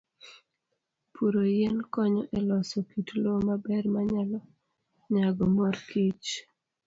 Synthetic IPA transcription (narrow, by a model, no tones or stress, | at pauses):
pʰuɾojɛnkɔɲɔʔɛlɔsɔkitlomabɛrmaɲalɔ | ɲaɡɔmɔrkit͡ʃ